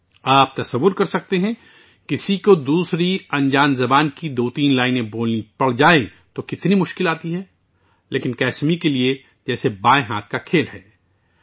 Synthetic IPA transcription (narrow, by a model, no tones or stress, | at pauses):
aːp̚t̪ɐsɐʋːʊɾkɐɾsɐk̚t̪eɦɛ̃ | kɪsikod̪uːsɾiɐ̃nd͡ʒaːnzɐbaːnkid̪oːt̪iːnlaːɪnẽboːlnipɐɽ̤d͡ʒaːẽ | t̪okɪt̪nimʊʃkɪlaːt̪iɦɛː | leːkɪnkɛːsmikelie | d͡ʒɛːsebaːẽɦaːt̪̚ʰkakʰeːlɦɛː